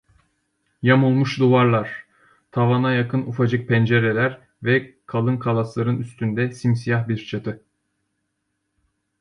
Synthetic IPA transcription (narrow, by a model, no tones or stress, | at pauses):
jamulˠmuʃd̪uvaɾlˠaɾ̥ | t̪ʰavanajakʰɯnufad͡ʒɯk̚pʰɛnd͡ʒeɾelʲæɾ | vɛkʰalˠɯnkʰalˠaslˠaɾɯnyst̪ʰynd̪ɛsimsijahbiɾt͡ʃʰat̪ʰɯ